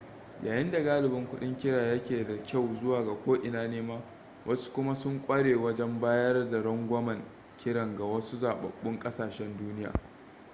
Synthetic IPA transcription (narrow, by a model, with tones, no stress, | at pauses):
ja̰ː˨jɪ˦nda˨ɡaː˦lɪ˨bɪ˦ŋkʷʊ˦ɗɪ˦ŋkʲɪ˦ɽaː˨jɐ˦kʲeː˨da˨kʲa˦˨wzʊ˦waː˨ɡa˨kʷoː˦ʔɪ˨naː˦neː˦maː˦ | wʔɐ˦su̥˦kʷʊ˦ma˦sʊ˦ŋkʷʼɐ˦ɽeː˨wɐ˦d͡ʒɛ˦mbaː˦jɐ˦rda˨ɽɐ˦ŋɡʷɐ˦mɐ˨ŋ | kʲʰɪ˦ɽɐ˨ŋɡa˨wɐ˦su˦zaː˨ɓɐ̰˨ɓːʊ˦ŋkʼɐ˦saː˨ʃɛ˦nduː˦nɪ˦ja̰ː˨